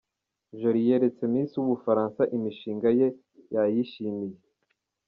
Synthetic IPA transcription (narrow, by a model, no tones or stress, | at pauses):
ʒoɾijeɾe̞t͡se̞miːnsijuβufaɾaːnsaʔimiʃiːŋɡaje̞ | jajiʃimije